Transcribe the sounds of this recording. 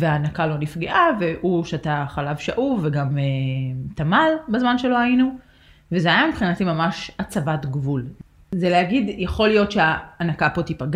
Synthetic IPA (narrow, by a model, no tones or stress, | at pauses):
veaːnakalo̞nifɡeʔaveʔuʃeataχalavʃaʔuveɡamet̪amalbazmanʃelo̞ajinu | vezeajambχinatimamaʃat͡savatɡvul | zeleaɡidjaχo̞lijo̞tʃeaːnakapo̞tipaɡ